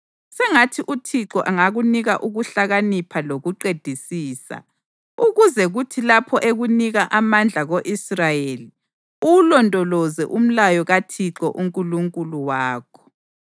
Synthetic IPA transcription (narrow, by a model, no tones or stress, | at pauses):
sɛŋatʰiʔutʰiǁɔʔaŋaɣuniɣa̰ʔuɣuɬaɣanipʰaloɣuǃed̥ʱisiːsa̰ | uɣuzɛɣutʰilapʰɔʔeɣuniɣaʔamand͡ɮʱaɣoʔisrajeli | ulɔntʼɔlɔzɛʔum̩lajɔɣatʰiǁɔʔuŋkʼuluŋkʼuluwaːkʰɔ̥